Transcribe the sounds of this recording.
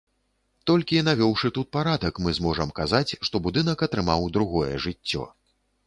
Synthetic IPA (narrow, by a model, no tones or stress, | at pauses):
t̪ɔlʲkʲinavʲɔwʂɨt̪ut̪̚paɾad̪ɐkmɨzmɔʐɐmkazat͡sʲʂt̪ɔbud̪ɨn̪ɐkɐt̪ɾɨmawd̪ɾuɣɔjɛ̰ʐɨt͡sʲːɔ̰